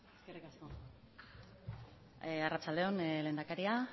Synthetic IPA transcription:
eskerikasko | arat͡sald̪e̞o̞nle̞ːnd̪akaɾia

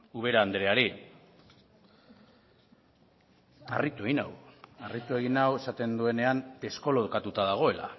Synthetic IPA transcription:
uβ̞e̞ɾaːnd̪ɾeaɾi | a̰rit̪ue̞ɣina̰warit̪ue̞ɣ̞inawe̞sat̪e̞nd̪ue̞ne̞ane̞sko̞loðkat̪ut̪aðaɣ̞o̞e̞la̰

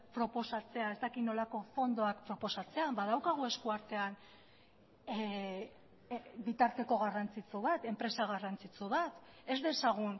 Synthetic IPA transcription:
pɾo̞po̞sat͡se̞ae̞st̪akino̞lako̞fo̞nd̪o̞ak̚pɾo̞po̞sat͡se̞abað̞awkaɣ̞ue̞skuaɾt̪e̞an | bit̪aɾt̪e̞ko̞ɣarant͡sit͡suβat̪e̞mpɾe̞saɣ̞arant͡sit͡suβat̪e̞zdðe̞saɣ̞un

